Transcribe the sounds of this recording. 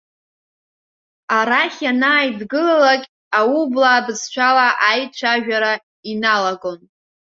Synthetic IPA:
aɾaχʲanaːjdɡɨlalakʲʼ | aublaːdɨzt͡ʃʷʰalaʔajt͡ʃʷʰaʒᶣaɾa | inalaɡʼo̞n

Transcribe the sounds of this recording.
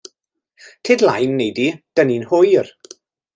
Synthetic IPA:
tʰedlˠajnːejdid̥əninhʊjr

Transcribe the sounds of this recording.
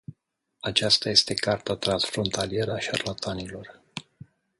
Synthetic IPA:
at͡ʃast̪aje̞st̪e̞kart̪at̪ɾansfɾo̞nt̪ʰalie̞ɾəaʃa̰rlat̪ʰanilo̞r

